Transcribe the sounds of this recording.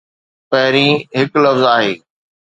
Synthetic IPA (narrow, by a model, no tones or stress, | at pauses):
pɐɦɪɾĩːɦɪklɐfzaːɦeː